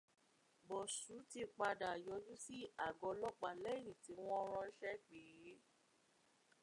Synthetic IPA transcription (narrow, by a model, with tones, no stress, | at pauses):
bɔ˨su˨˦ti˧k͡pa˧da˨jɔ˨˦d͡ʒu˦si˦a˦˨ɡɔ˨˦lɔ˦k͡pa˨lɛ˦˨ñĩ˨ti˨˦w̃ɔ̃˦ɾ̃ɔ̃˧i˦ʃɛ˦k͡pi˨ɾi˨˦